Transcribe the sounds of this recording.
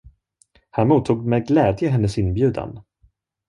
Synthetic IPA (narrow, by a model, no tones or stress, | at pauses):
hænmuːt̪ʰːuːɡmɛjɡlɛːd̪jəɦɛnːəsɪnbjʉ̟ːd̪a̰n